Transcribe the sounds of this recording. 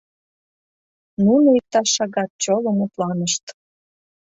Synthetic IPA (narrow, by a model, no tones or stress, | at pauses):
nunoik̚t̪ɑʃːɑɣɑt̪̚t͡ɕoləmut̪lɑnəʃt̪